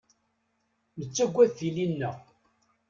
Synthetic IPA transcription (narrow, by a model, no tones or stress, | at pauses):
mət͡sːæɡʷːæðθilinːə